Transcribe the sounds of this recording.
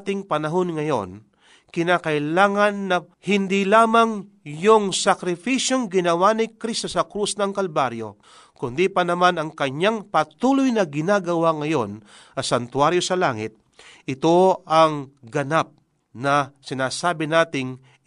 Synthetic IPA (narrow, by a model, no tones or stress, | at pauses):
t̪ɪŋpɐnɐɦo̞nŋɐjo̞̰n | kɪnaːkɐɪlaːŋɐnːɐ | hɪnd̪ilaːmɐŋ | jʊŋsɐkɾɪfiʃjoŋɡɪnɐwanɪkɾist̪osɐkɾusnɐŋkɐlbaɾjo̞̰ | kʊnd̪ipɐnɐmanɐŋkɐɲaŋpɐt̪uːlʊjnɐɡɪnaːɡɐwaŋɐjo̞n | ɐsɐnt̪waɾjo̞sɐlaːŋɪ̰t̪̚ | ʔɪt̪o̞ɐŋɡɐnap̚ | nɐsɪnaːsaːbɪnaːt̪ɪŋ